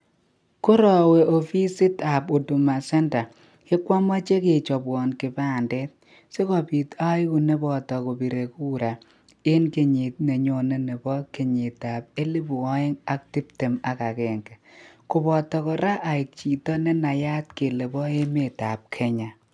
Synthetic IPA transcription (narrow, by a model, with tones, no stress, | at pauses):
ko˦ɾɔ˨we˨o˨fi˦sɪ˦ta˨po˨du˨ma˨sɛ˦nta˨ | kɪ˦kwa˦ma˦t͡ʃe˦ke˨t͡ʃɔ˨bwɔ˨nkɪ˨ba˦˨ndɛ˦t̚ | se˦kɔ˨pi˨ta˦ɪ˦ku˨ne˦bɔ˨tɔ˨ko˨bi˨ɾe˨ku˦ɾa˨ | ɪ˦nke˨ɲɪ˨t̚ne˨ɲo˨ne˦ne˨bɔ˦ke˨ɲɪ˨ta˨p̚e˦li˦bɔ˦ɪ˦ŋa˦k̚tɪ˦pte˨ma˨ka˨kɛ˨ŋɡɛ˨kʊ˨bɔ˨tɔ˨kɔ˨ɾa˦ʔa˨ɪ˨k̚t͡ʃi˨tɔ˦nɛ˦na˨ja˦t̚ke˨le˨bɔ˦e˦me˨ta˨p̚kʰɛ˦ɲa˨